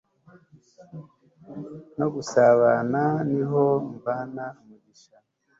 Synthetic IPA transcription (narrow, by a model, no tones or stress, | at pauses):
no̞ɡusaβananiɦoɱvanamuβiʃa